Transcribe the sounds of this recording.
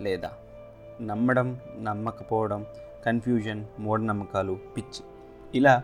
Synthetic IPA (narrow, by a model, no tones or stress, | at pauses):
lɛːd̪a̰ː | nɐmːɐɽɐmnɐmːɐkɐpɔːʋɐɽɐm | kɐnpʰjuːd͡ʒɐnmoːɽɐnɐmːɐkaːlupit͡ʃːi̥ | ilaː